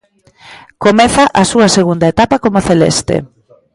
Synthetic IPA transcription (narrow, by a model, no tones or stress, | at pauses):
komɛθaʔɐsuɐseɣund̪ɐet̪apɐkomoaθelḛst̪ḛ